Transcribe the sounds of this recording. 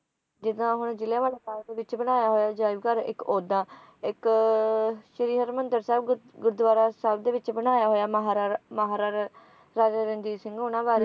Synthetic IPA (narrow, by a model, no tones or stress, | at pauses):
d͡ʒɪd̪ãːɦʊɳd͡ʒɪlãʋaːlaːkaːld̪eːbɪt͡ʃbəñaːjaːɦoːjaːd͡ʒaːɪbkəɾɪ̰koːd̪ãː | ɪk | ʃəɾiːɦəɾmənd̪əɾsɛːbɡʊɾd̪ʋaːɾaːsaːbd̪eːʋɪt͡ʃbəɽaːjaːɦoːjaːmɦaɾamaɦaːɾaː | ɾaːd͡ʒaːɾə̃nd͡ʒ̪iːsɪ̃ŋɡɦonãːbaːɾ